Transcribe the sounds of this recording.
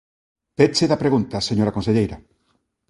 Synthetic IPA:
pet͡ʃeðɐpɾeɣunt̪aseɲoɾakonseʎejɾɐ

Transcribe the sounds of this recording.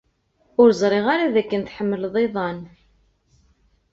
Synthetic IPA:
ʊɾzˤɾˤeʁaɾaðækːənt̪ħəmːəlðˤeðˤɑn

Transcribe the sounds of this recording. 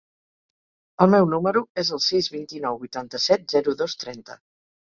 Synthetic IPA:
əlˠmɛwnuməɾuezəlˠsizβint̪inɔwbujt̪ant̪əsɛt̪̚zɛɾuðost̪ɾɛnt̪ə̰

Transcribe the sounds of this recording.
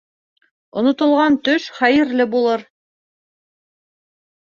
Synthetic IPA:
ŏnŏt̪ŏlˠʁɑnt̪ɵʃχæjɘ̆ɾlɘbulˠɤɾ

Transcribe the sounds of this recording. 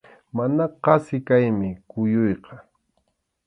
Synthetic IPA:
manaqɑsɪkajmɪkʊjʊjqɑ

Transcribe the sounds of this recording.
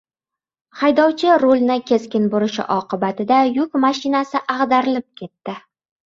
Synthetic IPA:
hajd̪ɒwt͡ʃʰɪɾolˠnɪkʲʰe̞skʲɪnboɾɪʃɪ̰ʔɒqʰɨbat̪ɪd̪ajʊkʲmaʃɪnasɪʔaʁd̪aɾɪlɪp̚kʲʰe̞t̪ːɪ

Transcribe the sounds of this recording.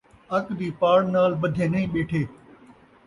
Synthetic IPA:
ɐkd̪iːpaːɽnaːlbəd̪ʱẽːnəɦĩːɓeːʈʰeː

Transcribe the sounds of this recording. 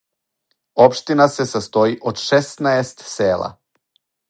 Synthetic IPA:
opʃt̪inasesast̪oiʔod̪ʃɛst̪naest̪seːlˠa̰

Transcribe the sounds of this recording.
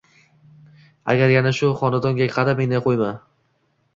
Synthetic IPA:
a̰ɡʲaɾjanaʃʊχɒnad̪ɒŋɡʲakʲqʰɑɾamend̪aqʰojman

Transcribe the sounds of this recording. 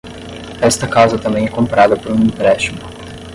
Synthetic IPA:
ast̪əkawzət̪ɐmej̃ekompaɾad̪əpuunimpɾeʃim

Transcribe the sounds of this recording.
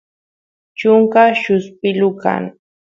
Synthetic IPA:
t͡ʃʊŋkaʃʊspɪlʊka̰ŋ

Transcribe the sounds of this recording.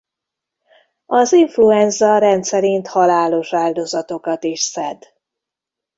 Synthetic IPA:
ɒziɱfluɛnzɒɾɛnt̪sɛɾint̪hɒlaːlo̞ʃaːld̪o̞zɒt̪o̞kɒt̪iʃsɛd̪

